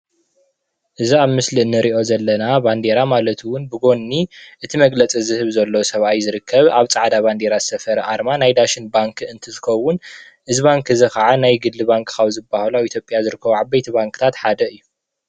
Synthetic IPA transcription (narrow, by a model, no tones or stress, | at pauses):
ʔɨziaβmɨsliɨnːɨɾiʔo̞zɐlːɐnaband̪eɾamalɐt̪ʰwʊnbɨɡo̞nːiʔɨt̪ʰimɐɡlɐt͡sʼizɨhɨβzɐlːosɐβajzɨɾɨkːɐβaβt͡sʼaʕd̪aβand̪e̞ɾazɨ̥sɐfɐɾɐʔaɾmanajd̪aʃɪnbaŋkʰɨnt̪ʰɨzɨkɐwːʊn | ʔɨziβaŋkʰɨzɨxaʕanajɡɨlːɨbaŋkʰxaβzɨbːahlait̪ʰjo̞pʼjazɨɾɨkːɐβuʕabːɐjt̪ʰiβaŋkʰɨ̥t̪ʰat̪ħad̪ɐɨjːu